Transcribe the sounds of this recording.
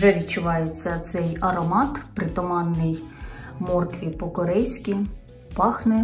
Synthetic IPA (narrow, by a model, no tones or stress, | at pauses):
ʒɛʋʲid̚t͡ʃʊʋɑjet͡sʲːɐt̪sɛjɐɾɔmɑt̪pɾɪt̪ɔmɑnːɪjmɔrkʋʲipɔkɔɾɛjsʲkʲi | pɑxnɛ